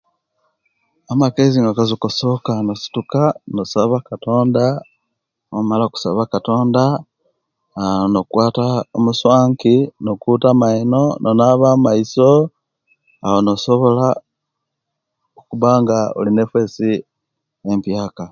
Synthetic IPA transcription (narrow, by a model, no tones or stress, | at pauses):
amakeziŋɡakazukoso̞kanosi̥tukanosaβakato̞ːnda | omalaku̥sa̰βakato̞ːnda | nokwaːtaomuswaːŋkinokutamaino̞nʔonaβaːmaiso̞ | awonoso̞βo̞la | okuβaːŋɡao̰line̞fwe̞ːsi | empjaːka